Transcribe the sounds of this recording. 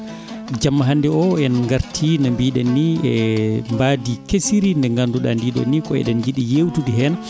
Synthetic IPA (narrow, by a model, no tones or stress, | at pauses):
d͡ʒamːaɦandɛɔɛnŋɡaɾtʰinambiɗɛnːiɛmbaːdikesiɾindɛŋɡanduɗa̰ndiɗɛ̰nːikɔɛ̰ɗɛnd͡ʒiɗijewtudiɦɛn